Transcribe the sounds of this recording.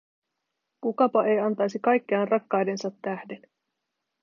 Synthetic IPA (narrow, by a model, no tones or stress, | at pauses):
kukɑpɑʔe̞jɑnt̪ɑjsikɑjkːeɑnrʔɑkːɑjde̞nsɑt̪ːæhde̞n